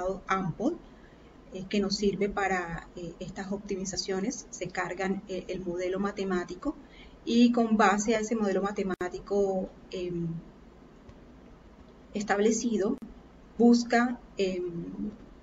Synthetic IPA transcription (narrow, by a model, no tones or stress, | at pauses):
ðoampol | eke̞no̞sːiɾbe̞paɾaeest̪aso̞p̚t̪imisasjo̞ne̞sːe̞kaɾɣaŋeʔelmo̞ð̞e̞lo̞mat̪e̞mat̪iko̞ | iko̞mbase̞ae̞se̞mo̞ð̞elomat̪e̞mat̪iko̞ | em | est̪aβle̞siðo̞ | buskaŋem